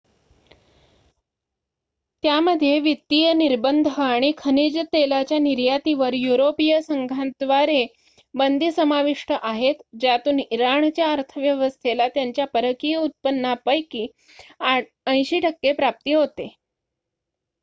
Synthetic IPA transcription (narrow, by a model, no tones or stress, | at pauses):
t̪jaməd̪ʱjeʋit̪ːijəniɾbənd̪ʱəaɽ̃ikʰənid͡ʑət̪elat͡ɕjaniɾjat̪iʋəɾjuɾopijəsəŋɡʱant̪ʋaɾe | bənd̪ʱiːsəmaʋiʂʈəʔaɦet̪d͡ʑat̪uːniɾaɳt͡ɕjaəɾt̪ʰəʋjəʋəst̪ʰelat̪jaɲt͡ɕjapəɾəkijəut̪̚pənːapəjkiː | ə̃j̃ɕiːʈʰəkːepɾap̚t̪iːɦot̪e